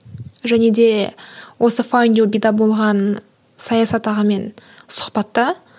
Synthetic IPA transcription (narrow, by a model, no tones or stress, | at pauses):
ʒæne̞d̪e̞wʔo̞səfojnd̪obijd̪ɑbo̞lˠʁɑn | sɑjɑsɑt̪ɑʁəme̞nsʊ̥χpɑt̪ːə